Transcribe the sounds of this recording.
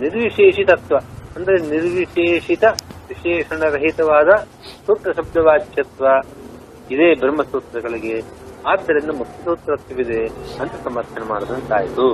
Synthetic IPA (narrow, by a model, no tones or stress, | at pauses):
niɾʋiʂeːʂit̪ɐɐt̪ʋɐɐnd̪ɐɾeniɾʋiʃeːʂit̪ɐʋiʃeːʂɐɳɐɾɐɦit̪ɐʋaːd̪ɐ | suːʈɾɐʃɐbjɐʋaːd͡ʒjɐt̪ʋɐ | id̪eːbʱɾɐmɐsuːt̪ːɾɐɡɐɭiɡe̞ | aːd̪ːɐɾind̪ɐmukʰːjɐsuːt̪ːɾɐt̪jɐʋid̪eɐnt̪ɐsɐmɐɾt̪ʰːɐnemaːɾɐd̪ɐnt̪aːjit̪u